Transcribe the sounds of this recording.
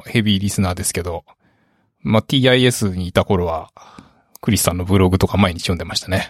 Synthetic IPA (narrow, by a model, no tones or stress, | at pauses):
he̞bʲiːɾʲisɨnaːd̪e̞sɨ̥ke̞d̪o̞ | mat̪ʲiːaie̞sɨɲ̟iːt̪ako̞ɾo̞βa | kɯ̟ɾʲisɨ̥t̪ãnːo̞bɯ̟ɾo̞ɡɯ̟t̪o̞kamae̞ɲ̟it͡ɕijo̞nd̪e̞maɕi̥t̪ane̞